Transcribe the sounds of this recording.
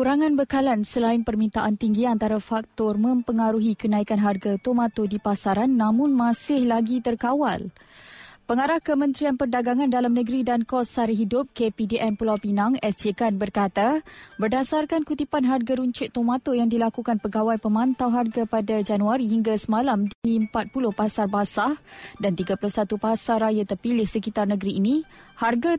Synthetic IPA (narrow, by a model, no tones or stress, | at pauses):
kuɾaŋãnbəkalansəlaɪnpərmĩnt̪aʔant̪iŋɡiant̪aɾafak̚t̪ɔrmə̃mpəŋaɾuɦikənãikanɦarɡat̪omãt̪odipasaɾanːãmʊ̃nmãsɪhlaɡit̪ərkawa̰l | pəŋaɾahkəmə̃nt̪ɾianpərdaɡaŋãndalamnəɡɾidankɔsaɾiɦidʊp̚kepidiʔɛnpulawpinãŋɛsd͡ʒekanbərkat̪abərdasarkankut̪ipanɦarɡaɾuɲt͡ʃʊʔ̪̚omãt̪ojaŋdilakukanpəɡawajpəmãnt̪awɦarɡapadad͡ʒanuaɾiɦiŋɡasəmãlamdiiəmpat̪̚pulʊhpasarbasahdant̪iɡapulʊhsat̪upasarɾajat̪ərpilɪhsəkit̪arnəɡɾiːnĩharɡa